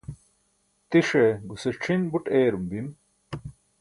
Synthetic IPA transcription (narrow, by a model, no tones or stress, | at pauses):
t̪iʂeɡuseʈ͡ʂʰinbuʈeːɾumbim